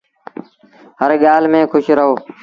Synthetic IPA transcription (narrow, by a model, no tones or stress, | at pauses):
ɦəɾɠaːlmẽːkʰʊʃɾəɦoː